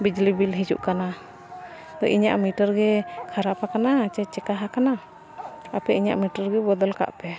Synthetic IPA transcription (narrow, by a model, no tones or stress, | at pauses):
bid͡ʒlibilɦid͡ʒṵʔkana | t̪ɔ̰ʔiɲaʔmiʈəɾɡɛkʰaɾapakanat͡ʃɛt͡ʃɛkaɦakana | apɛʔiɲa̰ʔmiʈəɾɡɛbɔd̪ɔlka̰ʔpɛ